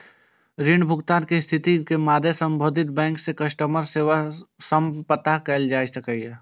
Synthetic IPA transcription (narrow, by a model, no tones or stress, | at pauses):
ɾiɳbʱʊɡt̪aːnkist̪ʰɪt̪ikemaːd̪ʱesə̃mbʱoːd̪ʱɪt̪̚bɛ̃ːŋksekɐʃʈəməɾseːʋasəmpət̪aɦkɛld͡ʒaːsɐkəjɛ